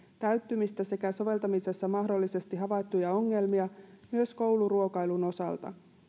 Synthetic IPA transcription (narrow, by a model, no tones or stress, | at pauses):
t̪æɥt̪ːymist̪æse̞kæso̞ʋe̞lt̪ɑmise̞sːɑmɑɦdolːise̞st̪iɦɑʋɑjt̪ːujɑo̞ŋːe̞lmiɑmyøsko̞wluruo̞kɑjluno̞sɑ̰lt̪ɑ̰